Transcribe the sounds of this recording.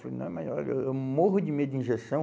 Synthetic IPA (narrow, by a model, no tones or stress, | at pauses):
fnɐ̰̃ɛmajɔleewmoɦʊd͡ʒɪmed̪ʊĩʒesɐ̃w̃